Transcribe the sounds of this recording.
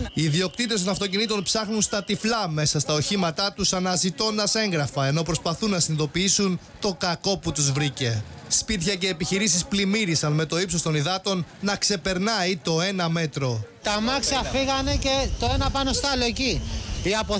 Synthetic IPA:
iːðio̞k̚t̪it̪est̪o̞nɐft̪o̞cinit̪o̞npsɐxnunst̪ɐt̪iflɐme̞sɐst̪ɐoçimɐt̪ɐt̪usɐnɐzit̪o̞nd̪ɐse̞ŋɡɾɐfɐe̞no̞pɾo̞spɐθunːɐsiniðo̞piisun | t̪o̞kɐko̞put̪uzvɾice̞spit̪çɐce̞ːpiçiɾisisplimiɾisɐnme̞t̪o̞ipsost̪o̞niðɐt̪o̞nːɐkse̞pe̞ɾnɐit̪o̞e̞nɐme̞t̪ɾo̞t̪ɐmɐksiɐfiɣɐne̞ce̞t̪o̞e̞nɐpɐno̞st̪ɐloeciiɐpo

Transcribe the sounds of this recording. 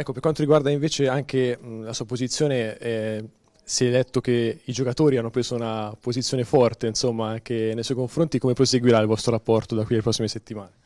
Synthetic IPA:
ɛkːopeɾkwant̪oɾiɡward̪aiɱveːt͡ʃeaŋkelasuːapozit̪sːjoːneɛ | siɛlɛt̪ːok̟eid͡ʒokat̪oːɾianːopɾeːzounapozit̪sːjoːnefɔrt̪einsomːaaŋk̟enejsɔjkoɱfɾont̪ikomepɾoseɡwiɾailvɔst̪ɾoɾapːɔrt̪od̪akːwielepɾɔsːimeset̪ːimaːne

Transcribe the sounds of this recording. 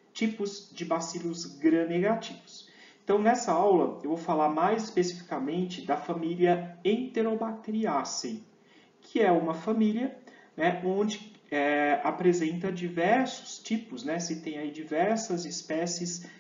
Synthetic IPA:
t͡ʃipʊzd͡ʒɪbasilʊzɡɾɐneɡat͡ʃivʊs | ẽnt̪ɐ̃w̃nɛsɐawlɐewvowfalaɾmajzɪspesifi̥kamẽnt͡ʃɪd̪ɐfãmiliɐẽnt̪eɾobak̚t̪eɾiasẽj | kʰɪɛũmɐfãmiliɐnɛõd͡ʒɪɛapɾezẽnt̪ɐd͡ʒivɛɾsʊ̥st͡ʃipʊsnɛsɪt̪ẽj̃aid͡ʒivɛɾsɐzɪspɛsɪs

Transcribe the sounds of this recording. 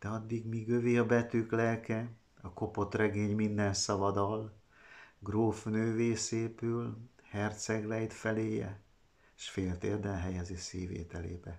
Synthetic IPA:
d̪̥ɛɒd̪ːiɡmiɡøviɒbɛt̪yːklɛlkɛ | ɒko̞po̞t̪rɛɡeːɲmind̪ɛnsɒvɒd̪ɒl | ɡroːfnøːveːseːpylhɛrt̪sɛɡlɛjt̪fɛleːjɛ̰ | eʃfeːlt̪eːld̪ɛnɦɛjɛzisiːvḛːt̪ɛlḛːbɛ

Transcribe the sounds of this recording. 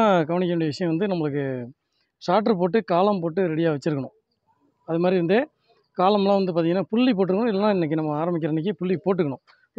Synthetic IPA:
kɐʋɐɳɪkːɐnʊːɽɐjɐʋɪʂɐjɐ̃ʋɐnd̪ɯnɐmːɐɭɯkːɯ | ʂaːʈ̬ːɐɾp̬oːʈ̬ːɯkaːlɐmpoːʈːɯɾɛɽɪjaːʋɛt͡ʃːɯɾɯkːɐɳʊ̃ | ɐðɯmaːd̪ɾiʋɐnd̪ɯ | kaːlɐmlãːʋɐnd̪ɯp̬aːt̪iŋɐnːaːpʊɭːip̬oːʈ̬ːɯɾɯkːɐɳʊ̃ɪlːɐnãːɪnːɛkːɯnɐmːɐaːɾɐmbɪkːɪɾɐnːɪk̬ːɯpʊɭːipoːʈ̬ːɯkːɐɳʊ̃

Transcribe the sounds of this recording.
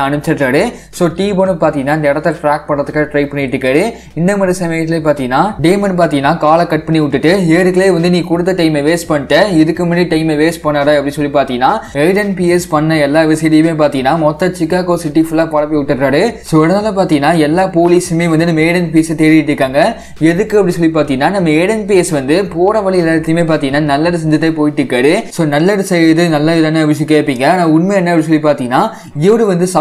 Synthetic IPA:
ɐnɯɪt͡ʃːɪʈɾaːɽɯ | soːʈiːbonɯpaːɾt̪iŋɡɐnːaːɪnd̪ɐɪɽɐt̪ːɐʈɾaːk̚pɐɳrɐðɯkːaːʈɾɐɪpɐɳɪɪʈːɯkːaːɽɯ | ɪnd̪ɐmaːd̪ɾisɐmɐjɐt̪ːɪleːpaːɾt̪iŋɡɐnːaːɖeːmɐnpaːɾt̪ĩŋɡɐnːaːkaːlɐkɐʈ̚pɐɳːiʊʈːɯʈːɯeːɾɯkːɐɭeːʋɐnd̪ɯniːkʊɽɯt̪ːɐʈɐɪmeʋeːspɐɳːɪʈːɐɪðɯkːɯmɐnɯʈɐɪmeʋeːspɐɳːaːɽaːɪpːɐɽinsɔlːipaːɾt̪iŋɡɐnːaːeɪɽɐnpiːɛspɐɳːɐɛlːaːʋɪsɪɽijmeːp̬aːɾt̪ĩŋɡɐnːaːmɔt̪ːɐt͡ʃɪkːaːkoːsɪʈːifʊlːaːpɐɽɐp̬ːiʊʈːɯʈːɾaːɽɯsoːɪɽɐnaːlɐp̬aːɾt̪iŋɡɐnːaːɛlːaːpoːliːsɯmeːʋɐnd̪ɯnɐmːɐeːɽɐnpiɛset̪ɛɾɪjɪʈːɾɯkːaːŋɡɐ | ɛðɯkːɯɐpːɐɽisɔlːipaːɾt̪iŋɡɐnːaːnɐmːɐeːɽɐnpiɛsʋɐnd̪ɯpoːɾɐʋɐlːiɛlaːɾt̪ːɐjmeːp̬aːɾt̪iŋɡɐnːaːnɐlːɐɾɯs̬ɛɲd͡ʒɐt̪ːeːpoːjɪʈːɯkːaːɽɯsoːnɐlːɐɾɯsɐjɐðɯnɐlːɐɪðɐːnɯɐʋɪsjkːeːʈpːiːŋɡɐaːnaːʊnmeɛnːɐɐpɐɽɪs̬ɔlːipaːɾt̪iŋɡɐnːaː | ɪʋɐɽɯʋɐnd̪ɯsɐ

